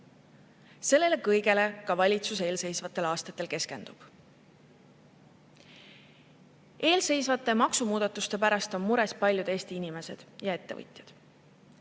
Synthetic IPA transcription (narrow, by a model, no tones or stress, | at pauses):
se̞lːe̞le̞kɤjɡ̥e̞le̞kɑvɑlʲit̪suseːlse̞jsvɑt̪ˑːe̞lɑːst̪ɑt̪ːˑe̞lke̞ske̞nd̪̥ub̥ | e̞ːlse̞jsvɑt̪ːˑe̞mɑksumuːd̪ɑt̪ːˑust̪e̞pæɾɑst̪o̞nmuɾespɑlʲjud̪e̞ːst̪iinime̞se̞d̪̥jɑe̞t̪ːe̞vɤ̰jt̪ʲˑjɑd̪̥